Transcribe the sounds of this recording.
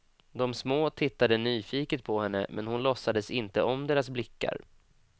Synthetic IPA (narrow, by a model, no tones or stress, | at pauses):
d̪ɔmsmoːt̪ʰɪt̪ːad̪ənyːfiːkət̪̚pʰɔhɛnːə̰mʔɛ̰nhʊnlɔsːad̪əsɪnt̪əʔɔmd̪eːɾasblɪkːa̰ɾ